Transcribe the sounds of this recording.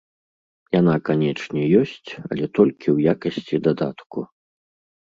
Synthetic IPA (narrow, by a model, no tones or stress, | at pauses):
janakanʲɛt͡ʂnʲɛjɔsʲt͡sʲɐ̰lʲɛt̪ɔlʲkʲiwjakɐsʲt͡sʲid̪ad̪a̰t̪ku